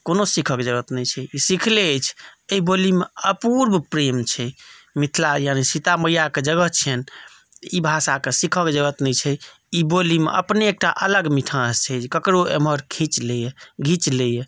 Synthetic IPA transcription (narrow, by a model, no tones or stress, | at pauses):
konosikʰəkd͡ʒəɡət̪nɛt͡ʃʰɛisikʰleət͡ʃʰeibolimeəpuɾbʱpɾemt͡ʃʰɛmit̪ʰlajanisit̪aməjaked͡ʒəɡəɦt͡ʃʰɛn | ibʱasakesikʰəkd͡ʒəɡət̪nɛt͡ʃʰɛ | ibolimḛʔə̰pneek̚ʈa̰ʔələɡmiʈʰãst͡ʃʰɛd͡ʒkəkɾoḛməɾkʰit͡ʃlejeɡʱit͡ʃleje